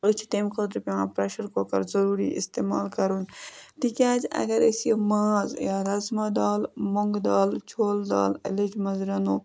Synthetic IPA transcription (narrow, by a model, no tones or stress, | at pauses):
ət͡ʃʰt̪eːmkot̪ɾpʲeãːpɾeːʃɐɾkoːkɐɾzɐɾuːɾḭʔɪ̰st̪eːmaːlkɐɾunt̪ikʲaːd͡ʒɐ̰ɡɐɾesiemaːzjaːɾɐzmɐd̪aːlmoŋɡd̪aːlt͡ʃʰoːld̪a̰ːlɐ̰led͡ʒmɐzɾɐnoː